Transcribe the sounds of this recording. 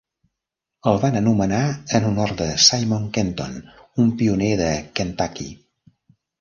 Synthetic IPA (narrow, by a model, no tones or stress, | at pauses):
əlˠβanənumənaənunɔɾt̪d̪əsajmɔŋkɛnt̪o̰numpiunɛðəkent̪akḭ